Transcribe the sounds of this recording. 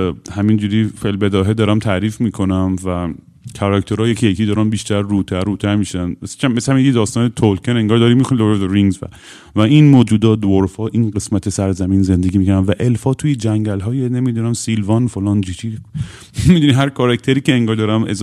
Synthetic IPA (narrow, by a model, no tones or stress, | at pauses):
hæmind͡ʒuɾiːfelbed̪ɒːɦed̪ɒːɾæmt̪ʰæɾiːfmiːkʰo̞næmvæ | kʰɒɾækt̪ʰeɾɒːjecʰijecʰiːd̪ɒːɾæmbiːʃt̪æɾːuːt̪ʰæɾːuːt̪ʰæɾmiːʃænesʃæmmeshæminjekʰid̪ɒːst̪ɒːnet̪ʰolkʰeneŋɡɒːɾd̪ɒːɾimixonid̪oɾzeɾiŋɡzvæ̰ | væinmoːd͡ʒuːd̪ɒːd̪oɾfhɒːʔinɢe̞smæt̪ʰesæɾzæmiːnze̞nd̪e̞ɡiːmiːkʰæɾænvæʔe̞lfɒːt̪ʰuːjed͡ʒæŋɟælɦɒːjenemid̪unæmsilvɒnfolɒːnd͡ʒit͡ʃʰi | mid̪uniːɦæɾkʰɒɾækt̪ʰeɾiːceeŋɡɒːɾd̪ɒːɾæmḛz